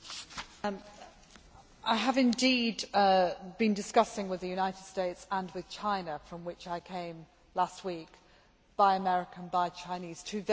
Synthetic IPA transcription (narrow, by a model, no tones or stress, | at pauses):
ʔaɪəvɪ̃ndiːd | b̥ĩndɨskʌsɪ̃ŋwɪðɨjʉnaɪtɪd̥steɪtsə̃nwɪð̥t͡ʃʰãɪ̃nəfɹə̃mwɪt͡ʃaɪkʰẽɪ̃m | last̚wiˑk | b̥aɪəmɛɹɪkə̃nbaɪt͡ʃʰãɪ̃niz̥tʰʉð